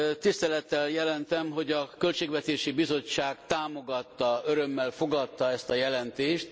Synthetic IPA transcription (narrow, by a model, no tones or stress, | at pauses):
t̪ist̪ɛlɛt̪ːɛljɛlɛnt̪ɛmɦo̞ɟɒkø̞lt͡ʃeːɡvɛt̪eːʃibizo̞t͡ʃːaːɡt̪aːmo̞ɡɒt̪ːɒøɾø̞mːɛlfo̞ɡɒt̪ːɒɛst̪ɒjɛlɛnt̪eːʃt̪